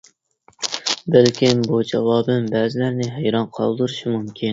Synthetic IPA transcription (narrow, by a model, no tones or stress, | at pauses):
bɪlkʲʰinbud͡ʒɛwɑːbɨmbæːzɪlæɾnɪɦæjɾɑnqʰɑ̰lˠd̪ɨɾɨʃimumkʲʰin